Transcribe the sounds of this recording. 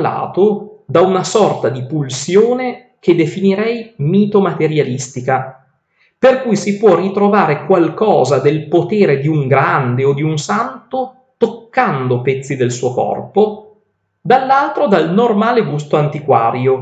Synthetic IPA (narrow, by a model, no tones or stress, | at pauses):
a̰ːt̪od̪aunasɔrt̪ad̪ipulsjoːne | k̟ed̪efiniɾɛjmiːt̪omat̪eɾjalist̪ika | perkujsipwɔrːit̪ɾovaːɾekwalkɔːzad̪elpot̪eːɾed̪iuŋɡɾand̪eod̪iunsant̪o | t̪okːand̪opɛt̪sːid̪elsuːokɔ̰rpo | d̪alːalt̪ɾod̪alnormaːleɡust̪oant̪ikwa̰ːɾjo